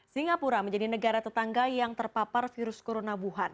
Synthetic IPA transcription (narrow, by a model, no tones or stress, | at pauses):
siŋapuɾaməɲd͡ʒadinəɡaɾat̪ət̪aŋɡajaŋt̪ərpaparfiɾʊskoɾonabuɦan